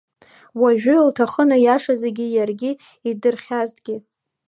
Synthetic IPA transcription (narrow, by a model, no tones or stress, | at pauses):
waʒᶣʊltʰaχənajaʂazaɡʲijarɡʲi | idɨrχʲaztɡʲɪ